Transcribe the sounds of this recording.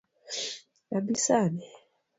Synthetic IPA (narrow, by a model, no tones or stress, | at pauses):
nabisanɛ